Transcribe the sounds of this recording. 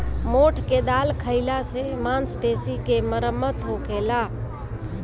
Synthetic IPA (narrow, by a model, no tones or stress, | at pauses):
moʈʰked̪alkʰəɪlasemansp̪esikeməɾəmːət̪ɦokela